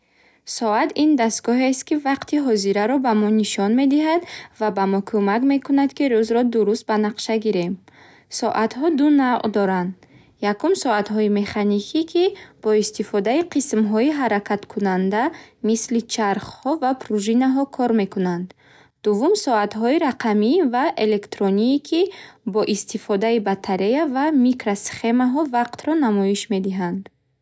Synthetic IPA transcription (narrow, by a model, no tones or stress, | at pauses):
sɔat̪ind̪ast̪ɡɔɦest̪̚kivaqt̪ʰiɦɔziɾaɾɔbamɔniʃɔnme̞d̪iɦad̪vabamɔkʰumakme̞kʰunad̪kiɾuzɾɔd̪uɾust̪̚banaqʃaɡiɾe̞m | sɔʔat̪ɦɔd̪unavʔd̪ɔɾand̪ | jakumsɔat̪ɦɔime̞χanikʰikʰib̥ɔist̪ifɔd̪aiqʰismɦɔiɦaɾakʰat̪kʰunand̪amislit͡ʃʰaɾχhɔvapʰɾuʒinaɦɔkʰɔɾme̞kunand̪ | d̪̥uvːumsɔat̪ɦɔiɾaqʰamivaʔele̞kt̪ɾɔniːkʰibɔʔist̪ifɔd̪aibat̪ʰːaɾejavamikɾasχe̞maɦɔvaqt̪ɾɔnamɔiʃme̞d̪iɦand̪